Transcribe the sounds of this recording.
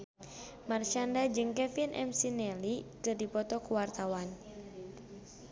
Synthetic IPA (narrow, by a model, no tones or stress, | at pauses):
mart͡ʃandad͡ʒɨŋkɛfinʔɛ̰msinɛlikɨrdipɔt̪ɔkuwart̪awan